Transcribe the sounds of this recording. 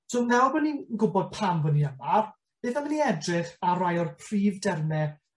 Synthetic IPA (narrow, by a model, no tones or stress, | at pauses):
sonɛwbəninɡʊbɔd̚pʰamvəniamar | eðaməniɛdrɪχaɾajɔrpʰriːvdɛrmɛ